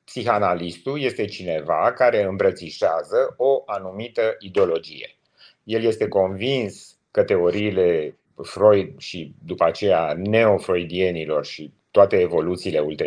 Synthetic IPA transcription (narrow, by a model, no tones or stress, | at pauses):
psixanalist̪uje̞st̪e̞t͡ʃine̞vakaɾe̞ɨmbɾət̪siʃeazəoʔanumit̪əʔid̪eo̞lo̞d͡ʒijḛ | je̞lje̞st̪e̞ko̞nvins | kət̪e̞o̞ɾiːle̞ | fɾo̞jd̪ʃid̪upəat͡ʃe̞jane̞o̞fɾo̞jd̪ie̞nilo̞rʃi | t̪oat̪e̞ːvo̞lut̪siːle̞ult̪e